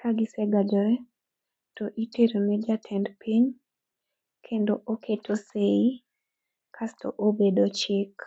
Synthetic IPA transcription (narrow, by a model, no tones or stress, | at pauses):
kaɡɪsɛɡad͡ʒɔɾɛ | toʔiteɾonɛd͡ʒatʰɛndpʰiɲ | kʰendoʔokʰetʰosei | kʰastʰo̰ʔobedot͡ʃɪk